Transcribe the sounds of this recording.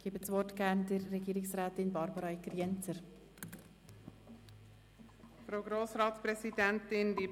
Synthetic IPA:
ɡ̥eːbət͡sʋɔrtɡ̥æɾndɪɾːɛɡiːɾɪksɾæːt̪ɪnbɑɾbəɾɑikɾjɛnt͡səɾ | fɾoʊɡɾoːsɾɑːtspɾɛsidɛntɪndi

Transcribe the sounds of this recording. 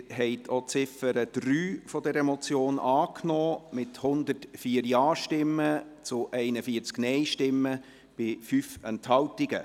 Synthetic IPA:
ɦɛɪt̪ʰot͡sɪfəɾəd̥ryːfɔdɛɾɛmɔt͡sjoːnʔɑːknɔːmɪthʊnd̪ətfiːəɾjɑːʃtɪmːət͡sʊʔɛɪnəfiːəɾt͡sknɛɪʃtɪmːə | b̥ɪfyfɛnthɑltiɡ̥ə̰

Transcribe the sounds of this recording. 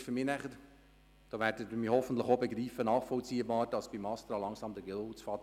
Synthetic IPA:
fʏɾmiːnæχəɾ | d̥ɑːʋæːɾdədmiːhɔfən̩t̪ləχobeɡɾiːfənɑːχfɔlt͡siːəbɑːɾd̥ɑsb̥imɑst̪ɾɑlɑŋsɑːmdəɡɛt͡sfɑːt

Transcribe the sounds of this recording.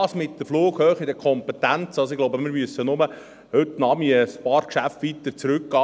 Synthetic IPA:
smɪt̪d̥̪əfluːɡ̥høːχid̪əkʰɔmpɛt̪ænt͡sɑls̬oɪɡlowbəmɪɾmyəsːənʊmə | hʏt̪ːnɑːbmiəspɑːɾkʃæftʋit̪əɾt͡sɾʉkɡ̥ɑː

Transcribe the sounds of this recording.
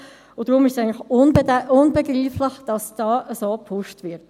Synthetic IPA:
ʊd̥ʁʊmɪʃsæɪŋnləχʊnbədʊnbeɡriːfləχd̥ɑsd̥ɑːʔəsoːpʰʊʃtʋɪɾt

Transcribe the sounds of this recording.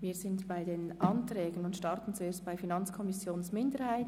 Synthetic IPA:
viːɾzɪntb̥aɪdeːnʔɑntrɛːɡənʊntʃtɑɾtn̩t͡sueːst̚b̥aɪfinɑnt͡skʰɔmɪsjoːnsmɪndəɾhaɪt

